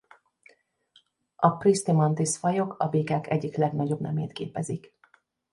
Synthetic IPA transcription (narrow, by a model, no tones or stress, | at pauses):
ɒprist̪imɒnt̪isfɒjo̞kʰɒbeːkaːkɛɟːiklɛɡnɒɟo̞bnɛmeːt̪keːpɛzik